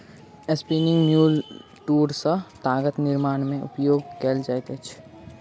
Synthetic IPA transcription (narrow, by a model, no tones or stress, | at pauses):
espiːnɪ̃ŋɡmjuːl | ʈuːɾsət̪aːɡət̪nɪɾmaːnmẽʊ̰pjoːɡ̚keːld͡ʒajt̪et͡ʃʰ